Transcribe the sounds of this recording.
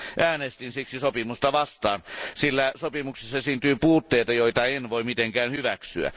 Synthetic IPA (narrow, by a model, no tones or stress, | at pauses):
ʔæːnest̪insiksisopimust̪ɑʋɑst̪ɑ̰ːnsilːæsopimuksesːɑsyːnt̪yːpuːt̪ːeːt̪ɑjoˑit̪ɑenʋoimit̪eŋkæːnhyʋæksyæ̰